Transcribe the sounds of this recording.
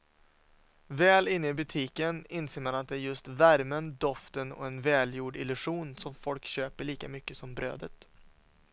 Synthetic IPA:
vɛːlɪnːəɪbɵt̪ʰiːkənɪnseːɾmanat̪̚d̪ɛæɾjɵst̪væɾmənd̪ɔft̪ənɔ̰ɛnvɛːljuːɖɪlɵʂuːnsɔmfɔlkɕøːpəɭiːkamʏkːəsɔmbɾø̰ːd̪ət̪

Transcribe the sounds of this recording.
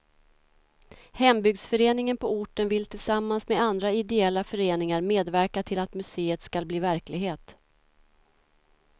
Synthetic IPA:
hɛmbʏɡsfœɾeːnɪŋənpʰɔʊʈːənvɪlt̪ʰɪlsamːansmed̪and̪ɾaɪd̪ɛɛlːafœɾeːnɪŋaɾmeːd̪væɾkat̪ʰɪlat̪mɵseːət̪skalbliːvæɾklɪɡɦeːt̪

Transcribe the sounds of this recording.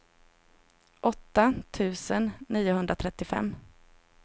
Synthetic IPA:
ʔɔt̪ːat̪ʰʉ̟ːsənːiːʊɦɵnd̪ɾat̪ʰɾɛt̪ːɪfɛ̰mː

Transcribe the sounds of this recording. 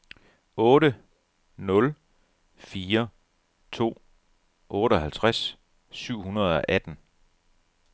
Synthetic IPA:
ɔ̽ːɾə | nɔ̽l | fiːɐ | t͡sʰo̝̰ː | ʔɔ̽ːɾəɒ̽ɦælt͡sʰʁas | syʊ̰hunɐð̞̩ˠɒ̽ʔæd̥n̩

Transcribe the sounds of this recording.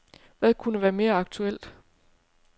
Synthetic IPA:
ʋæðˠkʰunəʋæːɐme̝ːɐɑ̈ɡ̥̚t͡sʰuel̰d̥

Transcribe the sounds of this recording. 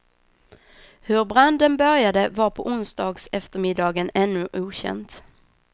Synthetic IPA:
hɵɾbɾand̪ənbœɾjad̪əvaɾpʰɔʔʊnsd̪ɑːɡsɛft̪əɾmɪd̪ɑːɡənɛnːɵʔuːɕɛ̰nt̪

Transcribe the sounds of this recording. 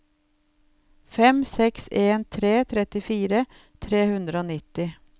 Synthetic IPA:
fɛmsɛkseːnt̪ʰɾeːt̪ʰɾɛt̪ɪfiːɾə | t̪ʰɾeːhʉnd̪ɾəoːnɪt̪ːɪ

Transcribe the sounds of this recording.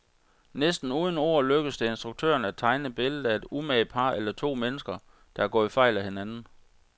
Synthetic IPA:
nesd̥n̩uːðˠən̩o̝̰ɐ̰løɡ̥əsd̥e̝e̝nsd̥ʁuɡ̥̚t͡sʰø̰ːɐnæ̥t͡sʰɑ̈ɪnəb̥e̝ləð̩ˠæe̝d̥umɛɪ̥pʰɑ̈ːelɐt͡sʰo̝̰ːmenəsɡ̥ɐ | d̥ɑ̈æɐɡ̥ɔ̰̽ifɑ̈ɪ̰læhe̝nænn̩

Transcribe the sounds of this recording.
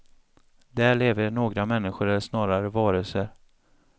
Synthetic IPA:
d̪æːɭeːvəɳoːɡɾamɛnːɪɧʊɾɛlsnɑːɾaɾəvɑːɾəlsəɾ

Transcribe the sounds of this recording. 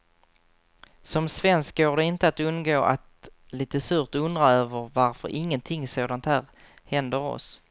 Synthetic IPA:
sɔmsvɛnsk̚ɡoːɖɛɪnt̪əat̪ɵnɡoːʔat̪ | liːt̪əsʉːɾt̪ɵnd̪ɾaøːvəɾvaɾfœ̰ɾʔɪŋːənt̪ʰɪŋsoːd̪ant̪hæːɾ | hɛnd̪əɾɔ̰s

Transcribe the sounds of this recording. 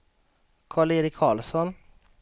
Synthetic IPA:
kʰɑːɭeːɾɪkʰːɑːlsɔn

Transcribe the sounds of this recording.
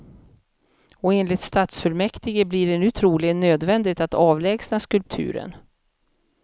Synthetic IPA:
ɔeːnlɪt̪st̪aːt̪sfœɭmɛkt̪ɪɡəbliːɖɛnʉ̟ːt̪ʰɾuːlɪɡənːøːd̪vɛnd̪ɪt̪at̪ɑːvlɛːɡsnaskɵlp̚t̪ʰʉ̟̰ːɾə̰n

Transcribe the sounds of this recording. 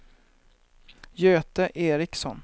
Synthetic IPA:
jøːt̪əʔeːɾɪksɔn

